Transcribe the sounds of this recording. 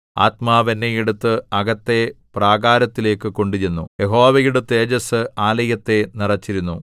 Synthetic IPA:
a̰ːt̪maːʋenːejiɽut̪ːɨɐɡɐt̪ːe̞praːɡaːɾɐt̪ːile̞ːkːɨko̞ɳɖut͡ɕenːujeɦo̞ːʋɐjiɽut̪ːe̞ːd͡ʑɐsɨaːlɐjɐt̪ːe̞nirɐt͡ɕːiɾunːu

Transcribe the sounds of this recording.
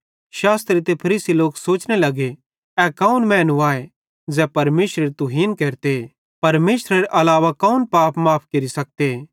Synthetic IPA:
ʃaːst̪ɾit̪epʰɐɾiːsiloːksoːt͡ʃnelɐɡe | ɛkaunmɛ̃ːnuaːe | d͡zɛːpɐɾmeːsɾeɾit̪ʊɦiːnkeːɾt̪ee | pɐɾmeːsɾɐɾeʔɐlaːʋakɐunpaːpʰmaːpʰkɐɾisɐk̚t̪eː

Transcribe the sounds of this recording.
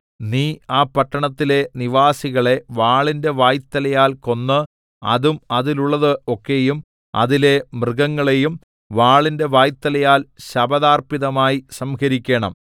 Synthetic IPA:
niːaːpɐʈːɐɳɐt̪ːile̞niʋaːsiɣɐɭe̞ʋaːɭinde̞ʋaːjt̪ːɐlɐjaːlko̞nːɨ | ɐ̰ðumɐðiluɭːɐðɨo̞kːe̞jum | ɐ̰ðile̞mrɨɣɐŋːɐɭejum | ʋaːɭinde̞ʋaːjt̪ːɐlɐjaːlɕɐbɐðaːrpiðɐmaːjisɐmkɐɾikʲːeːɳɐ̰m

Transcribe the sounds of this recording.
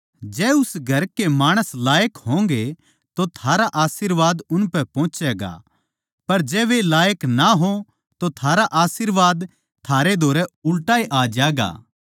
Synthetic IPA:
d͡ʒɛːʊsɡʱɐɾkemaːɽ̃əslaːjəkɦõːŋɡe | t̪ot̪ʰaːɾaʔaːsɪɾʋaːd̪ʊnpɛpɔ̃ːt͡ʃɛːɡa̰ | pɐɾd͡ʒɛːʋelaːjəknaɦo | t̪ot̪ʰaːɾaʔaːsɪɾʋaːd̪ | t̪ʰaːɾed̪ʱoːɾɛʊlʈaːiʔaːd͡ʒaːɡa̰ː

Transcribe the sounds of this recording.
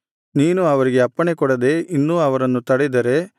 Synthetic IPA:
niːnuɐʋɐɾiɡe̞ɐpːɐɳekɔɽɐd̪e̞ʔinːuːɐʋɐɾɐnːut̪ɐɽed̪ɐɾe̞

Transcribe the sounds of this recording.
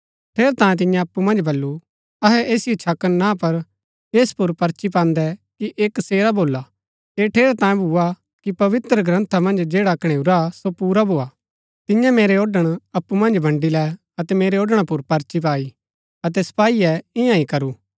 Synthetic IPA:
ʈʰeːɾt̪ãːẽt̪̬ɪ̃jãɐpːumɐ̃nd͡ʒbʱɐlːu | ɐɦɛʔeːsɪjot͡ʃʰɐkːənnãpɐɾ | eːspʊɾpɐɾt͡ʃip̬ãːnd̪ɛkiʔeːkseːɾaboːla | eːʈʰeːɾt̪ãːjẽbʱuːa | kipɐʋɪt̪ɾəɡɾɐ̃nt̪ʰamɐ̃nd͡ʒd͡ʒeːɽakɽ̃eːuɾasopuːɾabʱoːaː | t̪ɪjãmeːɾeoːɖəɽ̃ɐpːumɐ̃nd͡ʒbʱɐ̃ɳɖilɛ | ɐt̪ɛmeːɾeoːɖəɽ̃apʊɾpɐɾt͡ʃip̬aːi | ɐt̪̬ɛsɐ̥paːiɛɪjãikɐɾuː

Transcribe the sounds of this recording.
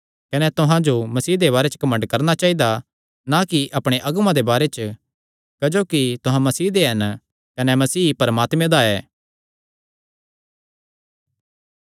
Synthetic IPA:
kɐnɛt̪ʊɦãd͡ʒomɐsiːd̪eβaːɾɛt͡ʃə̥kɐmə̃ɳɖkɐɾnat͡ʃaːid̪a | nakiʔɐpɽ̃eʔɐɡmãd̪ebaːɾɛt͡ʃə | kɐd͡ʒoːkit̪ʊɦãmɐsiːd̪eɦɐn | kɐnɛmɐsiːpɐɾəmaːt̪mẽd̪aɛː

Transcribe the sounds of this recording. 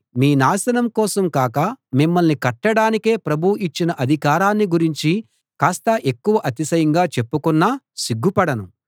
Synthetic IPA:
miːnaːsɐnɐmkɔːsɐmkaːkɐmimːɐlnikɐʈːɐɽaːnike̞ːpɾɐbʱuʔit͡ʃːinɐʔɐd̪ʱikaːɾaːnːiɡuɾiɲt͡ʃi | kaːst̪ɐʔe̞kːuʋɐʔɐt̪isɐjɐŋɡaːt͡ʃe̞pːukunːaː | siɡːupɐɽɐnu

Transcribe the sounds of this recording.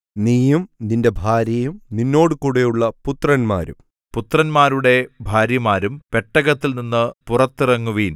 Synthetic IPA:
niːjumninde̞bʱaːɾjɐjumninːo̞ːɽɨkuːɽejuɭːɐput̪rɐnma̰ːɾṵm | put̪rɐnmaːɾuɽe̞bʱaːɾjɐmaːɾumpe̞ʈːɐɣɐt̪ːilninːɨpurɐt̪ːirɐŋːuʋiːn

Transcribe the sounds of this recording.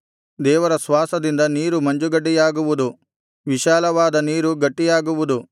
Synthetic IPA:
d̪ɛːʋɐɾɐsʋaːsɐd̪ind̪ɐniːɾumɐɲd͡ʒuɡɐɖːijaːɡuʋud̪u | ʋiʃaːlɐʋaːd̪ɐniːɾuɡɐʈːijaːɡuʋud̪u

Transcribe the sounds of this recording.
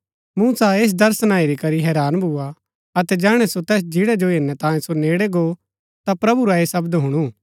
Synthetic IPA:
muːsaeːs̬d̪ɐɾsənaːiɾikɐɾiɦɛːɾaːnbʱua | ɐt̪ɛd͡ʒɛːɽ̃ɛsot̪ɛːs̬d͡ʒɪɽɛd͡ʒoeːnːɛt̪ãːjẽsoneːɽeɡo | t̪apɾɐbuɾaesɐbd̪ɦʊɽ̃uː

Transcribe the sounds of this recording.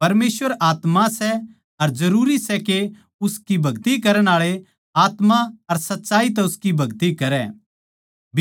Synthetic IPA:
pɐɾmeːsʋəɾaːt̪mãsɛ | ɐɾd͡ʒɐɾuːɾisɛke | ʊskibʱɐɡt̪ikɐɾəɽ̃aːɭe | aːt̪mãɐɾsɐtːʃaːit̪̬ɛʊskibʱɐɡt̪ikɐɾɛ̰ː | b

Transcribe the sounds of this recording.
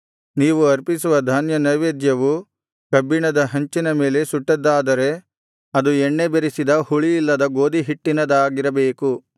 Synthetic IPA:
niːʋuɐɾpisuʋɐd̪ʱaːnjɐnɐʋeːd̪jɐʋu | kɐbːiɳɐd̪ɐɦɐɲt͡ʃinɐme̞ːle̞suʈːɐd̪ːaːd̪ɐɾe̞ | ɐd̪uɛɳːe̞beɾisid̪ɐhuɭijːlːɐd̪ɐɡo̞ːd̪iɦiʈːinɐd̪aːɡiɾɐbeːku

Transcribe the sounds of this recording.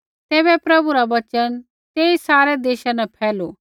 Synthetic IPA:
t̪ɛːbɛpɾɐbuɾaʋɐt͡ʃən | t̪eːisaːɾɛd̪eːʃãnɛpʰɛːlo

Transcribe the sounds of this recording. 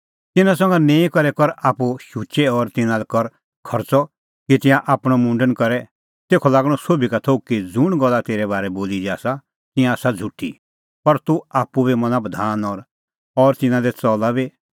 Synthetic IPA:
t̪ɪnãsɐ̃ŋɡanẽːikɔɾɛkɔɾaːpuʃut͡ʃɛɔːɾt̪ɪnãlɛkɔɾ | kʰɔɾt͡sɔ | kit̪ɪ̃jãʔaːpɽ̃ɔmũːɳɖənkɐɾɛ | t̪eːkʰɔlaːɡɽ̃ɔsoːbikat̪ʰokid͡zʊɽ̃ɡɔlːat̪eːɾɛbaːɾɛboːlid͡ʒiaːsa | t̪ɪ̃jãːsad͡zʱuʈʰːḭ | pɐɾt̪uaːpubimɐ̃nãbəd̪ʱaːnɔːɾ | ɔːɾt̪ɪnãlɛt͡sɔlabi

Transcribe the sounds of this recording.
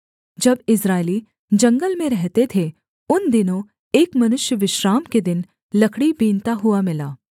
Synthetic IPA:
d͡ʒɐbɪsɾaːɪli | d͡ʒɐ̃ŋɡəlmẽɾɛɦt̪et̪ʰe | ʊnd̪ɪnõ | eːkmɐnʊʃjəʋɪʃɾaːmked̪ɪn | lɐkʰɽibiːnt̪aɦʊamɪlaː

